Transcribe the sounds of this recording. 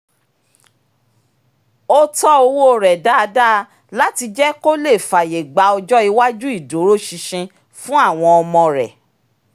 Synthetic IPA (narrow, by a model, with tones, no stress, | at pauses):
o˦tɔ˦o˧wo˦˨ɾɛ˨da˦˧da˦ | la˦ti˧d͡ʒɛ˦ko˦le˦˨fa˨je˨ɡ͡ba˨˧ɔ˧d͡ʒɔ˦i˧wa˦d͡ʒu˦i˦˨do˨˦ɾo˦ʃi˧ʃĩ˧ | fũ˦a˦˨w̃ɔ̃˧ɔ˧mɔ̃˧ɾɛ˨